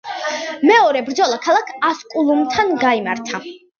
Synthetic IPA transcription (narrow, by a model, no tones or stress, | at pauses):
mɛɔɾɛbɾd̪zɔlˠakʰalˠakʰaskʼulˠumt̪ʰanɡaimaɾt̪ʰa